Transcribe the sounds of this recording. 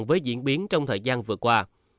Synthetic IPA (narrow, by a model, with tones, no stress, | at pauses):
ŋvəː˨˦jzḭ˧˥ənɓi˨˦ənt͡ɕɔ˧wŋ͡mt̪ʰəː˨˩jzaː˧nvɨ˨˩əkwaː˧